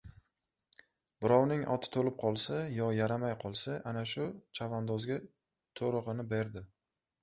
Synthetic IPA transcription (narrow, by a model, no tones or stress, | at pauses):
b̥ɪɾɒwnɪŋʔɒ̰t̪ʰɪ̥t̪ʰolɪp̚qʰɒlˠsajɒjaɾamajqʰɒlˠsaʔanaʃʊt͡ʃʰavand̪ɒzɡʲa | t̪ʰoɾɨʁɨnɪbe̞ɾd̪ɪ